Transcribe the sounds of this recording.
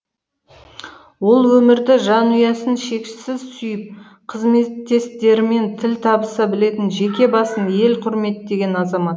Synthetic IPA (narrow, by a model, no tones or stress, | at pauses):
wo̞lˠwɵmɪɾd̪ɪʒɑnʊjɑsənʃe̞kʃɪ̥sɪzsʏjɪp̚ | qʰəzme̞t̪ːe̞st̪e̞ɾɪme̞nt̪ʰɪlt̪ʰɑbəsɑbɪle̞t̪ɪnʒe̞kʲe̞bɑsənje̞lqʰʊɾme̞t̪d̪e̞ɡʲe̞nɑzɑmɑt̪